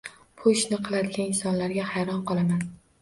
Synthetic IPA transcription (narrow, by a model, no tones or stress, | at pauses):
pʰoʃnɪqʰɨlˠad̪ɪɡʲanɪnsɒnlaɾɡʲahajɾɒnqʰɒlˠaman